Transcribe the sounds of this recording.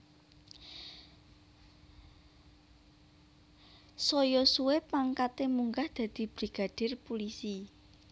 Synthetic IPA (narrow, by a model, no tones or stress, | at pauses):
sɔjɔsuwepaŋkat̪emuŋɡahd̪̥ä̤d̪̥i̤b̥ɾiɡ̥a̤ɖ̪̥ɪ̤rpulisi